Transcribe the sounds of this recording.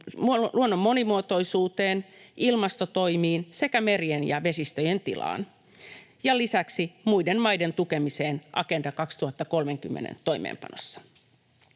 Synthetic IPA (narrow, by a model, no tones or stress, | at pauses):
muluonːomːo̞nimuot̪o̞isuːt̪eːnilmɑst̪ot̪oimiːnse̞kæmerienjɑʋe̞sist̪øjent̪ilɑ̰ːn | jɑlisæksimujdenmɑjdent̪ukemiseːnʔɑ̰kendɑkɑkst̪uhɑt̪ːɑkolmeŋkymːḛnḛnt̪o̞ijmḛːmpɑ̰no̰sːɑ̥